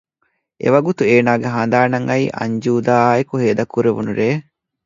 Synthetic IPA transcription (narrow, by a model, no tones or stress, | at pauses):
ʔḛʋɐɡut̪ueːnaːɡeɦɐnd̪aːnɐŋɐiːʔɐ̰ɲd͡ʒuːd̪aːekuɦeːd̪ɐkːuɾeʋunuɾeː